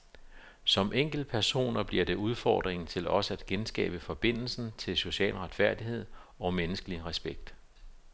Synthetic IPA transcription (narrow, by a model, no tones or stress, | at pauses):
sɒ̽mʔeŋ̰ɡ̥l̩̥̚pʰæɐso̝̰ːnɐb̥liɐd̥e̝uð̞ˠfɒ̰ːd̥ʁeŋn̩t͡sʰe̝lɒ̽səæd̥ɡ̥ensɡ̥ɛ̰ːb̥əfɒ̽b̥e̝n̰l̩sn̩t͡sʰe̝lso̝ɕɛ̰ːlʁäd̥fæɐ̰d̥iɦe̝ð̞̰ˠɒ̽menəsɡ̥əliʁɛsb̥eɡ̥̚d̥